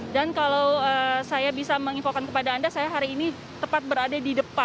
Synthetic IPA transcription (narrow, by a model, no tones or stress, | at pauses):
dankalawəsajabisaməŋifokankəpadaːndasajaɦaɾiːni | t̪əpat̪̚bəɾadadidəpa